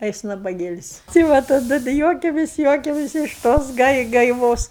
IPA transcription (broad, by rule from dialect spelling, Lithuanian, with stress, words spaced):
ɐ ˈjɪs nɐbɐˈɡʲeːlʲɪsʲ tɐɪ ˈʋɐ tɐˈdʊ dɐ ˈjuɔkʲɛmʲeːs ˈjuɔkʲɛmʲeːs ɪʃ ˈtoːs ɡɐɪ ɡɐɪˈʋoːs